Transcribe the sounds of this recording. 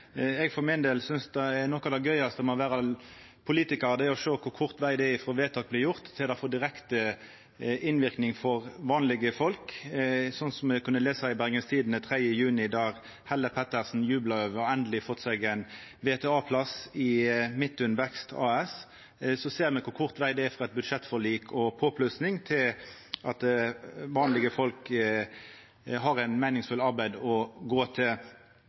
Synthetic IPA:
ɛɡfɔɾmɪnd̪eːlsʏnsd̪ɛɛɾnɔkɑd̪ɛɡœʏɑst̪əmɔʋæːɾɑ | pʰʊliːt̪ɪkɑʁd̪ɛɔʂøːkʰʊɾkʰʊʁt̪ʋæɪd̪ɛɛɪfɾʁoːʋeːt̪ʰɑːk̚blɪɾjʊʁt̪ʰːɪld̪ɑfoːd̪ɪɾɛkt̪ə | ɪnʋɪʁknɪŋfɔʁʋɑːnlɪɡəfɔlksɔnsɔmɛkʰʉnːəleːsɑɪbæʁɡənst̪ʰiːd̪nət̪ʰʁɛd̪jəjʉːnɪd̪ɑʁ | hɛlːəpʰɛt̪ːəʁsn̩jʉːblɑøːʋəɾɛnd̪əlɪfɔt̪ːsɛɡæɪn | ʋeːt̪ʰɛɑːpʰlɑsɪmɪt̪ːʉnʋɛkst̪ʰɑ̰ːɛs | sɔseːʁmɛkʰʊkʰʊʁt̪ʋæɪd̪ɛæfʁɑɛt̪̚bʉd̪ʂɛt̪ːfɔʁliːkʰɔpʰoːpʰlʉsnɪŋt̪ʰɪlɑt̪ʋɑːnlɪɡəfɔlk | ɦɑɾæɪnmæɪnɪŋsfʉlɑɾbæɪd̪ɔɡoːt̪ʰɪl

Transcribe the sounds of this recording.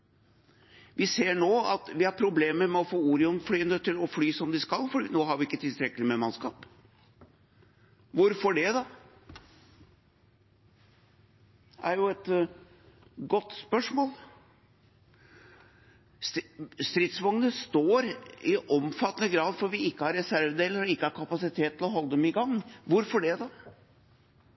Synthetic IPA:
ʋɪseːɳoːɑt̪ʋɪhɑɾpʰɾʊbleːməɾmɛɔfoːuːɾɪɔnflyːənət̪ʰɪlɔflyːsɔmd̪ɪskɑlːfɔɖḭnoːɦɑɾʋɪɪkːət̪ʰɪlt̪ɾɛkːəlɪmɛmɑnskɑːp | ʋʊɾfɔɖɛd̪ɑ | ʔæɾjʊɛt̪ | ɡɔt̪ːspœʂmoːl | sst̪ɾɪt̪sʋɑŋnəst̪oːɾɪʔɔmfɑt̪ːənəɡɾɑːd̪fɔɾʋɪɪkːəhɑɾɛsæɾʋd̪eːləɾɔɪkːəhɑɾkʰɑpɑsɪt̪ʰeːt̪ːɪlɔɦɔlːəd̪ɛmɪɡɑŋːʋʊɾfɔɖɛd̪ɑ

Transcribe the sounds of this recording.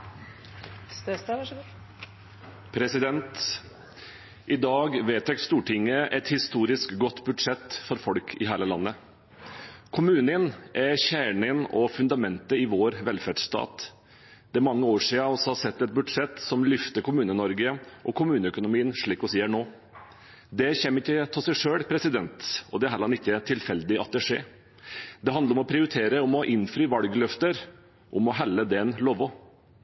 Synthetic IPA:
pʰɾɛsɪd̪ɛnt̪ | ʔɪd̪ɑːɡʋeːt̪ʰɛkst̪uːʈʰɪŋːəʔɛt̪hɪst̪uːɾɪskɡɔt̪ːbʉd̪ʂɛt̪ːfɔɾfɔlkʰɪ̰ɦæːɭəlɑnːə | kʰʊmʉːnənʔæçæːɳɪnɔfʉnd̪ɑmɛnt̪əɪʋoːɾʋɛlfæɖʂt̪ɑ̰ːt̪ | d̪̥ɛæɾmɑŋːəoːʂiːɑɔsɔhɑsɛt̪ːɛt̪̚bʉd̪ʂɛt̪ːsɔmlʏft̪əɾkʰʊmʉːnənɔɾɡəʔɔkʰʊmʉːnəœkʊnʊmiːənʂɭiːkɔsiːhæɳoː | d̪ɛçɛmːəɾɪkːət̪ʰɪlsɛɪʂøːɽpʰɾɛsɪd̪ɛnt̪ɔd̪ɛɦæɾlɑnɪkːət̪ʰɪlfɛld̪ɪɑt̪̚d̪ɛʂeː | d̪ɛɦɑnd̪ɾɔmɔpʰɾɪʊɾɪt̪ʰeːɾəɔmɔʔɪnfɾyːʋɑlɡlœft̪əɾ | ʔɔmɔɦælːəd̪ɛnloːʋɔ

